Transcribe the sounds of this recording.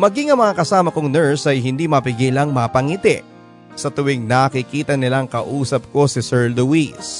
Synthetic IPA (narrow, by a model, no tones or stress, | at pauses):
mɐɡiŋɐŋmɐŋakɐsaːmɐkʊŋnɛɹsɐjɦɪnd̪iːmɐpɪɡɛlɐŋmɐpɐŋit̪ɛ | sɐt̪ʊwɪŋnaːkɪkiːt̪ɐnɪlaŋkɐʔuːsɐp̚ko̞sɪsɛɹd̪owis